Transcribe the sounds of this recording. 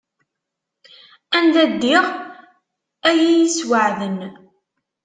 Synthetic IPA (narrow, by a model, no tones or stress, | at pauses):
ænd̪æd̪ːiʁ | æjijiswəʕðən